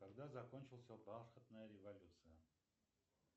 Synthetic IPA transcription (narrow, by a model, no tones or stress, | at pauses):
kaɡd̪azɐkonʲt͡ɕɪlˠsʲəbalˠxət̪nəjəɾʲɪvɐlʲut̪sɨjə